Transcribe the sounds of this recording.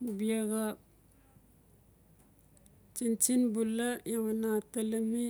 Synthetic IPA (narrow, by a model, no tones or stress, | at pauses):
biaɣa | t͡ʃint͡ʃinbulajamanatalimi